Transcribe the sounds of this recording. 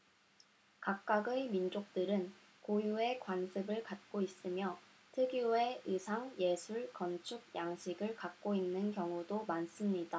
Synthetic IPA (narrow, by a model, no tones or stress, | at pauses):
kak̚k͈aɡɯmind͡ʑok̚t͈ɯɾɯn | kojue̞kwansʰɯbɯɭkat̚k͈ois͈ɯmjʌ | tʰɯɡie̞ɯsʰaŋje̞sʰuɭkʌnt͡ɕʰuɡ̚jaŋɕʰiɡɯɭkak̚k͈oinːɯnkjʌŋudomans͈ɯmɲida